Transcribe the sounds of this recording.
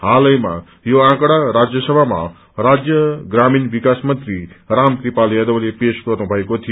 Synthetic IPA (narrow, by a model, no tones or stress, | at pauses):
ɦalʌjma̰ | joãkɽaɾad͡zjʌsʌbʱama̰ | ɾad͡zjʌɡɾaminbikasmʌnt̪ɾiɾamkɾipaljad̪ʌwlepeskʌɾnubʱʌekot̪ʰijo